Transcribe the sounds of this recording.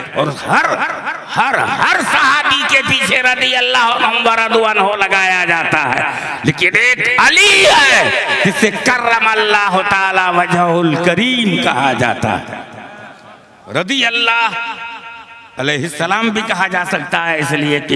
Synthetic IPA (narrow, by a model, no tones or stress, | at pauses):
ɔ̰ːɾhɐɾ | hɐɾhɐɾsɐɦaːb̪ikepiːt͡ʃʰeɾɐd̪iəlːaːɦɔɦɐmbaɾad̪ʊanɦolɐɡaːjad͡ʒaːt̪aɦɛ̰ː | leːkɪneːkɐliɛd͡ʒɪsekɐɾəmɐlːaːɦʊt̪aːlaʋɐd͡ʒəɦʊlkɐɾiːmkɐɦad͡ʒa̰ːt̪a̰ɦɛ̰ | ɾɐd̪iəlːaːɦ | ɐleːɦɪsːəlaːmbʱikɐɦad͡ʒaːsɐk̚t̪aɦɛɪslieki